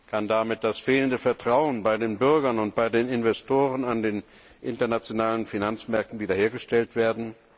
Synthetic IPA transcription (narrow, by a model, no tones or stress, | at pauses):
kʰandamɪt̚d̥asfeːləndəfɛɐtʁ̥aʊənbaɪdeːnbʏɐɡɐnʊnt̚b̥aɪdeːnɪnvɛstʰoːʁənandeːn | ʔɪntɐnat͡sjonaːlənfinant͡smɛɐk̚tn̩viːdɐheːɐɡəʃtɛltv̥eːɐdn̩